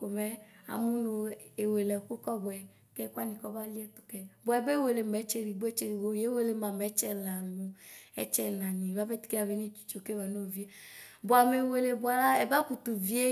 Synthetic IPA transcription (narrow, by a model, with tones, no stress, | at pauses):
ko˨mɛ˨˦a̰˨mu˦no˨e˨we˨lɛ˨ku˦kɔ˦bɔ˨ɛ˨ | kɛ˦kʷa˦nĩ˨kɔ˦ba˦li˦ɛ˦t̪u̥˨kɛ˨bo˨ɛ˨be˦we˨le˨mɛ˨˦t͡ʃe˦ɾi˨bu˦ɛ˦t͡ʃe˦ɾi˨wo˦je˨˦we˦˨le˨ma˨mɛ˨˦t͡ʃɛ˦la˨nũ˨ɛ̰˦t͡ʃɛ˦nã˨nĩ˨a˦vɛ˦t̪i̥˨˦ke˦a˨ve˦nĩ˦t͡ʃu̥˨t͡ʃo˨ke˦wa˨no˦˨vi˦e˦ | bo˨a˨me˨we˨le˨bu˨˦a˨la˦ɛ˨ba˦ku˨t̪u˨vi˦e˦